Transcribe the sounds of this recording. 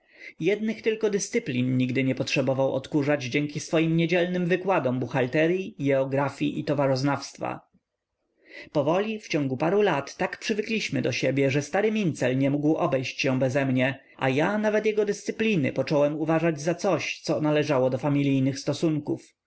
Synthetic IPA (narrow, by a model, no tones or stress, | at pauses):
jɛd̪nɘxt̪ɘlkɔd̪ɘst̪sɘplʲinɲiɡd̪ɘɲɛpɔtʂɛbɔvawʔɔ̰t̪kuʐad͡ʑd͡ʑɛŋkʲisfɔjimɲed͡ʑɛlnɘmvɘkwad̪ɔmbuxalt̪ɛɾʲjiɡʲɛɔɡɾafʲjiʔit̪ɔvaʐɔznafst̪fa̰ | pɔvɔlʲift͡ɕɔ̃ŋɡupaɾulat̪ːakpʂɘvɘklʲiɕmɘd̪ɔɕɛbʲjɛʐɛst̪aɾɘmʲint̪sɛlɲɛmuɡwʔɔbɛjɕt͡ɕɕɛ̃bɛzɛmɲɛ | ʔa̰janavɛt̪jɛɡɔd̪ɘst̪sɘplʲinɘ̰pɔt͡ʂɔwɛmuvaʐad͡ʑzat̪sɔɕt̪sɔnalɛʐawɔd̪ɔfamʲilʲijnɘxst̪ɔsuŋkuf